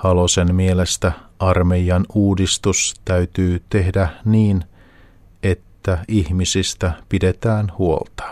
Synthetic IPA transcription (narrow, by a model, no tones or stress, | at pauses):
hɑlosenmielest̪æɑrmejɑnuːdist̪ust̪æyt̪yːt̪e̞ɦdæniːn | e̞t̪ːæihmisist̪æpide̞t̪æːnhuo̰lt̪ɑ̥